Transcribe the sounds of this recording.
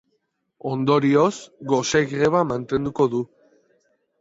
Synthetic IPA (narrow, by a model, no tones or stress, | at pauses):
o̞nd̪o̞ɾio̞sɡo̞seɣɾe̞βamant̪e̞nd̪uko̞ðu